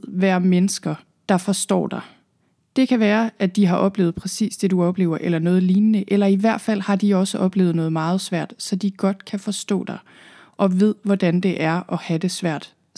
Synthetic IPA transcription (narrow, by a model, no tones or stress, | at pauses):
ʋæɐ̰menəsɡ̥ɐ | d̥ɑ̈fɒ̽sd̥ɒ̰ːd̥ɑ̈ | d̥e̝kʰæʋæːɐæd̥iɦɑ̈ʔɒ̽b̥le̝ːʊð̩ˠpʰʁɛsḭːsd̥e̝d̥uɒ̽b̥le̝̰ːʊɐʔelɐnɔ̽ːð̞̩ˠliːnnəʔelɐiʋæɐ̰d̥fæl̰hɑ̈d̥iɒ̽səʔɒ̽b̥le̝ːʊð̩ˠnɔ̽ːð̩ˠmɑ̈ːð̞̩ˠsʋæɐ̰d̥sɒ̽d̥iɡ̥ɒ̽d̥kʰæfɒ̽sd̥ɔ̰̽ːd̥ɑ̈ | ʔɒ̽ʋe̝ð̞̰ˠʋɒd̥ænd̥e̝ʔæɐʔɒ̽hæd̥e̝sʋæɐ̰d̥